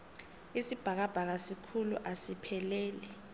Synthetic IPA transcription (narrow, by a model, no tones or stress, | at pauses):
isib̥ʱak̬ab̥ʱak̬asikʰuluʔasipʰɛlɛːlɛ